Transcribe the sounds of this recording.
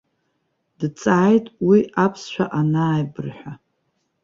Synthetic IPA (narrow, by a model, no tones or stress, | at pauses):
d̥t͡sʼaʕːjtʼwiapʰsʃʷᶣʰa̰ʔanaːjbɨrħʷᶣa